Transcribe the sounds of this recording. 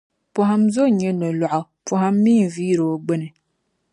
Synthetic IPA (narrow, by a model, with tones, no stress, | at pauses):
pɔ˨ɦa˦mzo˦ɲɛ˦no˨lwa˨ʔa˨ | pɔ˨ɦa˦mː˦iː˦˨viː˦ɾo˨˦ɡ͡bɛ˦nɨ˨